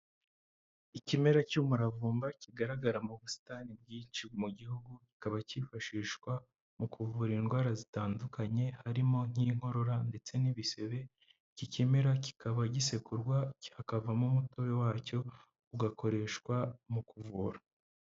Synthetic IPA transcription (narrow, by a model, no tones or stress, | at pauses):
icime̞ɾacuːmuɾavuːmbaciɡaɾaɡaɾamuβusi̥tanib̚ɡiːnt͡ʃimuɟihuɡuci̥kaβaciːfaʃiːʃkwa | mukuvuːɾinɡwaːɾazitaːndukaɲe̞haɾimo̞n̥iːŋ̥ho̞ɾo̞ɾande̞t͡se̞niβise̞βe̞ | cicimeɾaci̥kaβaɟise̞kuɾɡwahakavamumutoβe̞waːco̞ | uɡako̞ɾe̞ʃkwamukuvuːɾa